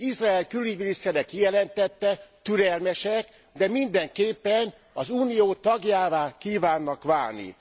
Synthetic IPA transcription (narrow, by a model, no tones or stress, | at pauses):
izraːɛlkyliɟminist̪ɛɾɛkijɛlɛnt̪ɛt̪ːɛt̪yɾɛlmɛʃɛk | d̪ɛmind̪ɛŋkeːpːɛn | ɒzuːnijoːt̪ɒɡjaːvaːkiːvaːnːɒkʋaːlnḭ